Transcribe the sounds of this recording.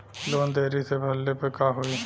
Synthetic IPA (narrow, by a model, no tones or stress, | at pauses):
loːnd̪eːɾisebʱɐlːepekaɦui